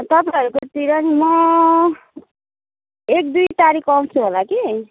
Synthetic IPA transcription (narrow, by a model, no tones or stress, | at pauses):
t̪ʌpaʌɾukot̪iɾʌnimʌ | ek̚d̪ujt̪aɾikʰʌw̃t͡sʰuɦolaki